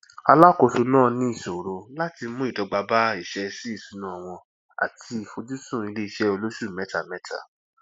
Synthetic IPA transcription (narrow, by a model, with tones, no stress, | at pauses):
a˧la˦ko˧su˧nãː˦˨nĩ˦i˦˨so˨ɾo˧la˦ti˧˦mũ˦i˨dɔ˨˧ɡ͡ba˧ba˦i˦˨ʃɛ˧si˦i˦˨su˨˦nã˨w̃ɔ̃˧ | a̰˨tʰi˧i˧˨fo˧d͡ʒu˦sũ˦˨i˧le˦i˧ʃɛ˧o˧lo˦ʃu˦˨mɛ˨˦ta˨mɛ˨˦ta̰˦˨